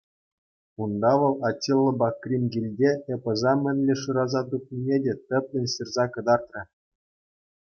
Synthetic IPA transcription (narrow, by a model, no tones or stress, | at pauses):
und̪ɑʋɤ̆lˠɑtʲːilˠːɤ̆bɑkrʲimʲɡʲilʲdʲeepɤ̆zɑmʲɘ̆nʲlʲĕʂuɾɑzɑt̪up̚nʲinʲedʲet̪ʲɘ̆pʲlʲɘ̆nʲɕirzɑkɤ̆d̪ɑrt̪rʲɤ̆